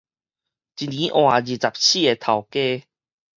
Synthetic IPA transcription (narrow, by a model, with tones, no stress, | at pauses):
t͡ɕi˧nĩ˨˦ʔw̃a˨˩d͡ʑi˨˩t͡sa˨p̚ɕi˦˧e˧t̪ʰa˨˩wke˥˧˦